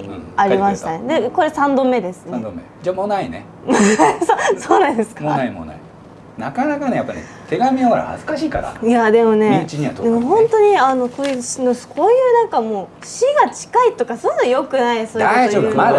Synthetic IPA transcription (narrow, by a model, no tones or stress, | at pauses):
aɾʲimaɕi̥t̪aned̪e̞ko̞ɾe̞sãnd̪o̞mːe̞d̪e̞sɨnd̪omːed͡ʑamonainḛ | massoːnãnd̪esɨ̥kamonaimo̰na̰i | nakanakanejapːanḛ | t̪ʰe̞ɡamʲiaaɾa̰ha̰zɨ̥kaɕiːka̰ɾa̰ijad̪e̞mo̞ne̞it͡ɕiɲiat̪od̪emoɦõ̞nt̪o̞ɲ̟iano̞koːjɯɕnoskʰo̞ːjɯ̟ːnãŋkamo̞ː | ɕiɡat͡ɕi̥kait̪okasonɯnojo̞kɯ̟naisoːd̪aiooːbma